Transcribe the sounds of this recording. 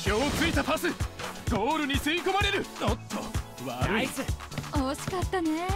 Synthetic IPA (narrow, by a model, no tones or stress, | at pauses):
kʲo̞ːkɨit̪apasɨɡo̞ːɾɯ̟ɲ̟isɨikomaɾe̞ɾɯ̟not̪ʰːo̰ | βaɾɯ̟iseoːɕi̥kat̪ːane